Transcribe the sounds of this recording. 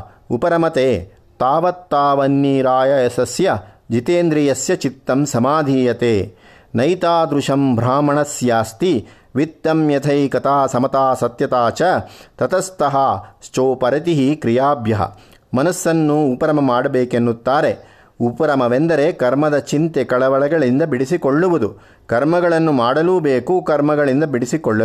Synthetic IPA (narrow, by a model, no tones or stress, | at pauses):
upɐɾɐmɐt̪eː | t̪aːʋɐt̪ːaːʋɐnːiːɾaːjɐɐsɐsjɐ | d͡ʒit̪eːnd̪ɾijɐsjɐt͡ʃit̪ːɐmsɐmaːd̪ʱiːjɐt̪eː | nɐjt̪aːd̪ɾuʂɐmbʱɾaːmɐɳɐsjaːst̪i | ʋit̪ːɐmjɐt̪ʰɐjkɐt̪ʰaːsɐmɐt̪aːsɐt̪jɐt̪aːt͡ʃɐt̪ɐt̪ɐst̪ɐɦaːst͡ʃoːpɐɾɐt̪iɦikɾijaːbʱjɐɦɐ̰ | mɐnɐsːɐnːuːpɐɾɐmɐmaːɽɐbeːkenːut̪ːaːɾe | upɐɾɐmɐʋend̪ɐɾe̞kɐɾmɐd̪ɐt͡ʃint̪ekɐɭɐʋɐɭɐɡɐɭind̪ɐbiɽisikoɭːuʋud̪u | kɐɾmɐɡɐɭɐnːumaːɽɐluːbeːkukɐɾmɐɡɐɭind̪ɐbiɽisikoɭːɐu